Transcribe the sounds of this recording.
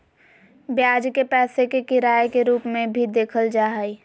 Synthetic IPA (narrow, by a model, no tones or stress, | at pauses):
bjaːd͡ʒkepɛːsekekɪɾaːjkeɾuːpmẽbʱid̪eːkʰəld͡ʒaːɦəi